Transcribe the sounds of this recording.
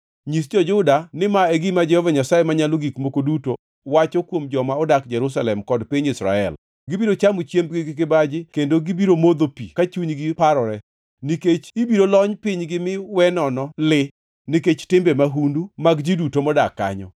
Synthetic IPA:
ɲis̬d͡ʒɔd͡ʒʊdanɪmaeɡimad͡ʒɛhɔvaɲasajemaɲaloɡikmokoduto | wat͡ʃɔkwomd͡ʒɔmaɔdakd͡ʒɛɾus̬alɛmkɔdpɪɲisɾa̰ɛ̰l | ɡɪbiɾot͡ʃamot͡ʃjembɡɪɡɪk̬ɪbad͡ʒɪkendoɡibiɾomod̪opḭkat͡ʃuɲɡɪpaɾɔɾɛ | niket͡ʃibiɾolɔɲpɪɲɡɪmɪwɛnɔnɔlɪ | niket͡ʃtɪmbɛmaɦundumaɡd͡ʒidutomɔdakːa̰ɲɔ̰

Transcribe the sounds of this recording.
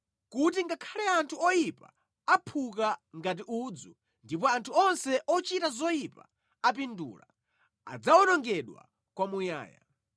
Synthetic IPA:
kutiŋɡakʰalɛantʰuɔjipa | apʰuk̬aŋɡat̬iʔud͡zu | ndipɔantʰuɔnsɛʔɔt͡ʃitazɔjipa̰ | ap̬indṵːla̰ | a̰d͡zaɔnɔŋɡɛɗwa̰ | kwamuja̰ːja̰

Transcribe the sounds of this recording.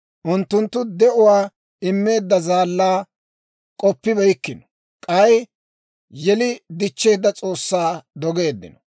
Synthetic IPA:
ʔʊnt̪ːʊnt̪ːʊd̪ɛʔʊwaː | ɪmːe̞ːd̪ːɐzaːlːaː | kʼɔpːɪbɛjkːɪnɔ̥ | kʼɐj | jɛlɪd̪ɪt͡ʃːe̞ːd̪ːɐt͡sʼo̞ːsːaːd̪ɔɡe̞ːd̪ːɪ̰nɔ̥

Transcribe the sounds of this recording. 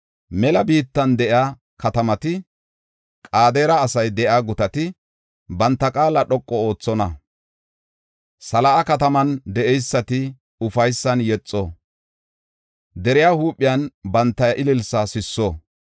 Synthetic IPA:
mɛlɐbiːt̪ːɐnd̪ɛʔɪa | kɐt̪ɐmɐt̪ɪ | kʼaːd̪eːɾɐːsɐjd̪ɛʔaːɡʊt̪ɐt̪ɪ | bɐnt̪ːɐkʼaːlɐɗɔkʼːɔo̞ːt͡sːɔnɐ | sɐlɐʔɐkɐt̪ɐmɐnd̪ɛʔɛjsːɐt̪ɪ | ʊfɐjsːɐnjɛt͡sʼːɔ | d̪ɛɾɪjaːhuːpʼːɪjɐnbɐnt̪ːɐjʔɪlɪlsɐsɪsːɔ

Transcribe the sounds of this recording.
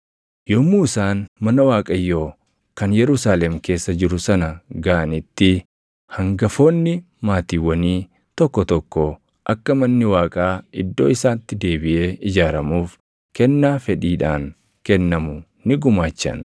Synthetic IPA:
jɔmːuːɪsaːnmɐnɐwaːkʼɐjːoː | kɐnjɛɾʊsaːlɛmke̞ːsːɐd͡ʒɪɾʊsɐnɐɡɐʔɐnɪt̪ːɪ | hɐŋɡɐfo̞ːnːɪ | maːt̪iːwːɐniː | t̪ɔkːɔt̪ɔkːɔ | ʔɐkːɐmɐnːɪwaːkʼaːʔɪd̪ːo̞̰ːɪsaːnɪt̪ːɪd̪e̞ːbɪʔe̞ːʔɪd͡ʒaːɾɐmuːf | kɛnːaːfɛᶑiːᶑaːŋ | kɛnːɐmʊ | nɪɡʊmaːt͡ʃːɐ̰n

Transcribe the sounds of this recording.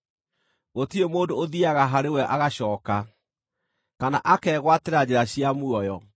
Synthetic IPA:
ɣotiemoːndoːðiaɣaɦaɾewɛʔaɣaɕɔːka | kana̰ʔakɛɣwateɾad͡ʑeɾaɕjamuɔjɔ

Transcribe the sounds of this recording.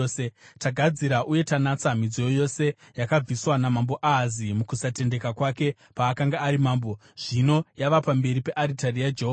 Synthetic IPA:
etaɡʱad͡ziɾaʔuje̞tanat͡samid͡zojojo̞se̞ | jakab͡viswanamambo̞ʔazimukusate̞nde̞kakwake̞ | paːkaŋɡaːɾimaːmbo̞ʐ̥ino̞jaʋapambe̞ɾipe̞ʔaɾitarijad͡ʒeɦo

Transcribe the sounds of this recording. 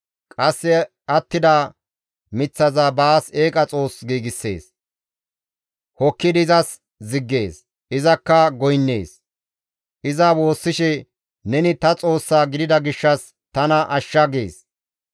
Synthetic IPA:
kʼɐsːɛ | ʔɐt̪ːɪd̪ɐː | mɪt͡sːɐzaːbaːse̞ːkʼɐt͡sʼo̞ːsɡiːɡɪsːe̞̰ːs | hɔkːɪd̪ɪzɐs | zɪɡːe̞ːs | ʔɪzɐkːɐɡɔjnːe̞̰ːs | ʔɪzɐwo̞ːsːɪʃɛ | nɛnɪt̪ɐt͡sʼo̞ːsːaːɡɪd̪ɪd̪ɐɡɪʃːɐs | t̪ɐnɐʔɐʃːɐɡḛːs

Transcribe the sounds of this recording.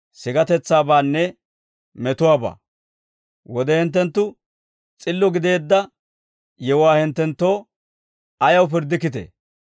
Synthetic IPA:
sɪɡɐt̪ɛt͡sːaːbaːnːɛ | mɛt̪ʊwaːba̰ː | wɔd̪ɛhɪnt̪̬ːɛnt̪ːʊ | t͡sʼɪlːɔɡɪd̪e̞ːd̪ːɐ | jɛwʊwaːhɪnt̪ːɛnt̪ːo̞ː | ɐjɐwpɪɾd̪ɪkːɪt̪ḛ

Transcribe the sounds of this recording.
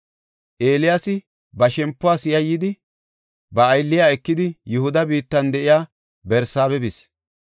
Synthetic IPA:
ʔe̞ːlɪjasɪ | bɐʃɛmpːʊaːsɪjɐjɪd̪ɪ | bɐːjlːɪjaːɛkːɪd̪ɪjʊhʊd̪ɐbiːt̪ːɐnd̪ɛʔɪjaː | bɛɾsaːbɛbɪs

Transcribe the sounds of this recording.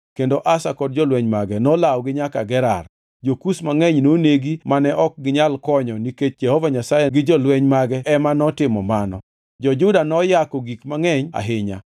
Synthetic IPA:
kendoʔasakɔd̚d͡ʒɔlwɛɲmaɡɛnɔlawɡɪɲakaɡɛɾa̰r | d͡ʒokusmaŋɛɲnoneɡimanɛʔɔk̚ɡɪɲalkɔɲɔniket͡ʃ̚d͡ʒɛhɔvaɲasajɛɡɪd͡ʒɔlwɛɲmaɡɛɛmanɔtɪmɔ̰manɔ̰ | d͡ʒɔd͡ʒʊdanɔjakɔɡikmaŋɛɲa̰ɦɪɲa̰

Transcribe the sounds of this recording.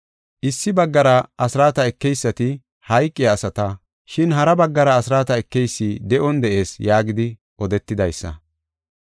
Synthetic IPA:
ʔɪsːɪbɐɡːɐɾɐɐsɾaːt̪ɐɛkːɛjsːɐt̪ɪ | hɐjkʼːɪjɐːsɐt̪ɐ | ʃɪnɦɐɾɐbɐɡːɐɾɐːsɾaːt̪ɐɛkːɛjsːid̪ɛʔɔnd̪ɛʔe̞ːsjaːɡɪd̪ɪ | ʔɔd̪ɛt̪ːɪd̪ɐjsːɐ̰

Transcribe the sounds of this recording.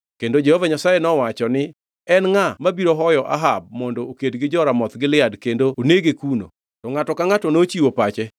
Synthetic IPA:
kendod͡ʒehovaɲasajenɔwat͡ʃɔnɪ | ɛnŋamabiɾoɦɔjɔʔa̰ɦab̚mɔndɔokedɡɪd͡ʒɔɾamɔt̪ɡɪlɪadkendooneɡekuno̰ | tɔŋatɔkaŋatɔnot͡ʃiwopat͡ʃɛ

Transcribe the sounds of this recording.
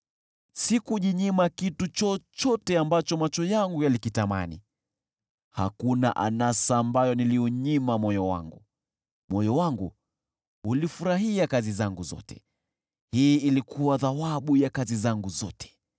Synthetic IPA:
sikuʄiɲimakitut͡ʃɔt͡ʃɔtɛambat͡ʃɔmat͡ʃɔjaŋɡujalikitama̰nḭ | ha̰kuna̰ʔa̰nasaːmbajɔniliuɲimamɔjɔwa̰ŋɡu | mɔjɔwaŋɡu | ulifuɾaɦiakazizaŋɡuzɔ̰tɛ̥̰ | hiːilikʰuwaðawaɓujakazizaŋɡuzɔtʰɛ̥

